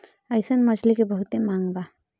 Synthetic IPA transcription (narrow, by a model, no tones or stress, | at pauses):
əjsənmʌd͡ʒʰlikebəɦut̪emaŋba